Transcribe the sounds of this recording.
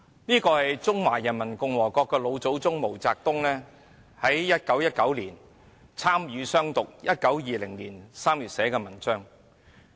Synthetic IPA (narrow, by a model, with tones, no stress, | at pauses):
niː˥kɔː˧hɐ˨jt͡sʊ˥ŋwaː˨˩jɐ˨˩nmɐ˨˩nkʊ˨˧ŋwɔː˨˩kɔː˧kːɛː˧lo˨˧wt͡so˨˥wt͡sʊ˥ŋmo˨˩wt͡saː˧k̚t̪ʊ˥ŋlɛː˥ | hɐ˨˥jːɐ˥t̚kɐ˨˥wjɐ˥t̚kɐ˨˥wliː˨˩n | t͡sʰaː˥mjyː˨˧sœː˥ŋt̪ʊ˨k̚jɐ˥t̚kɐ˨˥wjiː˨˧lɪ˨˩ŋliː˨˩nsaː˥mjyː˨t̚sɛː˨˥kɛː˧mɐ˨˩nt͡sœː˥ŋ